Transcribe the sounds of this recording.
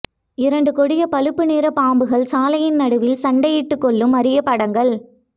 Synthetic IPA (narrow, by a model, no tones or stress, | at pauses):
ɪɾɐɳɖɯkɔɽɪjɐpɐlɯpːɯniːɾɐpaːmbɯɣɐɭsaːlɐjɪnnɐɽɯʋɪlsɐɳɖɐjɪʈːɯkːɔɭːɯmɐɾɪjɐpːɐɽɐŋɡɐɭ